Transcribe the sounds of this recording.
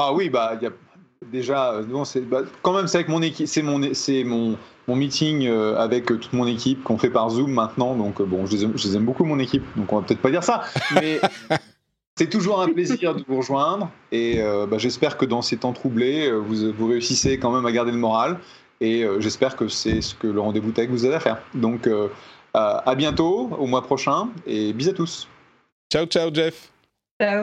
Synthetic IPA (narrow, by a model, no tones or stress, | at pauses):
awibailja | d̪eʒaønɔ̃sɛbakɑ̃mɛmseavɛkmɔ̃nekʲisɛmɔ̃nesɛmɔ̃ | mɔ̃mit̪iŋøavɛkøt̪u̥t̪mɔ̃nekʲipkɔ̃fɛpaʁzumːɛ̃t̪nɑ̃d̪ɔ̃købɔ̃ʒəlezɛmʒəlezɛmbokumɔ̃nekʲip̚d̪ɔ̃kɔ̃vapøt̪ɛt̪χpad̪iʁsamɛ | sɛt̪uʒuʁɛ̃pleziʁd̪əvuʁəʒwɛ̃d̪ʁeøbaʒɛspɛʁkəd̪ɑ̃set̪ɑ̃t̪χubleøvuvuʁeysisekɑ̃mɛmaɡaʁd̪eləmɔʁal | eøʒɛspɛʁkəsɛsə̥kələʁɑ̃d̪evut̪ɛɡvuzaveafɛːʁd̪ɔ̃køaabjɛ̃t̪oomwapχɔʃɛ̃ebizat̪us | t͡ʃawt͡ʃawd͡ʒɛf | t͡ʃa